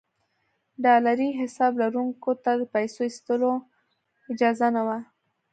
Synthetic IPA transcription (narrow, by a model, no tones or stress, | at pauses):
ɖɑlaɾiɦɪsɑblaɾuŋkot̪ad̪əpajsoist̪əlo | ɪd͡ʒɑzanawa